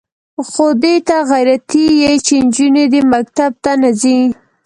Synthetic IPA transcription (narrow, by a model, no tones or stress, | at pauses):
xod̪et̪aɣajɾat̪ijet͡ʃend͡ʒuned̪emakt̪ab̚t̪anazi